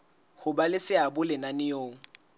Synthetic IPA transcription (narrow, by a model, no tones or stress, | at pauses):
hʊbalɪsɪabʊlɪnanɪjoːŋ̩